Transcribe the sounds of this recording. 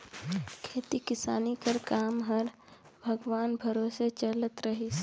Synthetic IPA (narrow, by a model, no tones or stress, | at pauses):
kʰeːt̪ikɪsa̰ːnikəɾkaːmɦəɾ | bʱəɡʋaːnbʱəɾoːset͡ʃələt̪ɾəɦis